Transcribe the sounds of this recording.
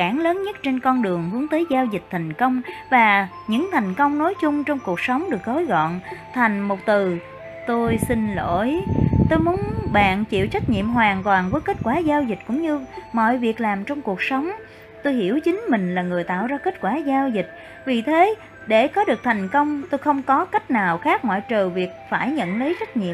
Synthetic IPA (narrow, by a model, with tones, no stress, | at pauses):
aː˧˩nləː˨˦nɲə˦˥t̚t͡ɕe˧nkɔ˧nɗɨ˨˩əŋhɨ˨˦əŋt̪əː˨˦jzaː˧wzi˨˩k̟̚t̪ʰa˨˩jŋ̟kə˧wŋ͡mvaː˨˩ | ɲɨ̰˧˥ŋt̪ʰa˨˩jŋ̟kə˧wŋ͡mno˨˦jt͡ɕʊ˧ŋ͡mt͡ɕɔ˧wŋ͡mku˨˩ək̚sə˨˦wŋ͡mɗɨ˨˩ək̚to˨˦jɣɔ̰˧˨nt̪ʰa˨˩jŋ̟mo˨˩t̚t̪ɨ˨˩ | t̪o˧jsi˧nlo̰˧˩jt̪o˧jmu˨˦ənɓa̰ː˧˨nt͡ɕḭ˧˨əwt͡ɕa˦˥jk̚ɲḭ˧˨əmɦwaː˨˩nt̪waː˨˩nvəː˨˦jke˦˥t̚kwaː˧˩zaː˧wzi˨˩t̟̚kʊ̰˧˥ŋ͡mɲɨ˧mɔ̰˧˨jvi˨˩ək̚laː˨˩mt͡ɕɔ˧wŋ͡mku˨˩ək̚sə˨˦wŋ͡m | t̪o˧jhi˧˩əwt͡ɕï˨˦ŋ̟mï˨˩ŋ̟laː˨˩ŋɨ˨˩jt̪a̰ː˧˨wzaː˧ke˦˥t̚kwaː˧˩zaː˧wzi˨˩t̚ | vi˨˩t̪ʰe˨˦ | ɗe˧˩kɔ˨˦ɗɨ˨˩ək̚t̪ʰa˨˩jŋ̟kə˧wŋ͡mt̪o˧jxə˧wŋ͡mkɔ˨˦ka˦˥jk̟̚naː˨˩wxaː˦˥k̚mɔ̰˧˨jt͡ɕəː˨˩vi˨˩ək̚faː˧˩jɲə̰˧˨nlə˨˦jt͡ɕa˦˥k̟̚ɲḭ˧˨ə